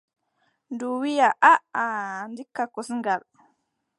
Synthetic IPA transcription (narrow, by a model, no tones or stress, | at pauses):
nduwijaʔaandikːakɔsŋɡal